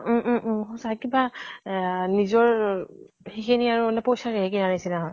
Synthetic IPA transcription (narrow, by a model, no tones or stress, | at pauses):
ʔɦɔ̃sakiba | nizɔɹ | hikʰeniaɹunɛpojsaɾeɦekinanasinaɦɔj